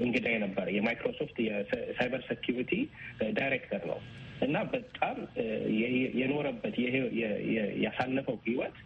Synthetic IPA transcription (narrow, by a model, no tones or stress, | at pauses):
ʔɨŋɡɨd̪ajɛnəbːəɾəjɛmajkɾo̞so̞ft̪jɛsajbəɾsekʰjuɾit̪ʰidajɾekt̪ʰəɾnə̰wʔɨnːabət̪ʼːam | jɛno̞ɾəbːət̪jɛɛɛjasanːəfəwhiwɔt̪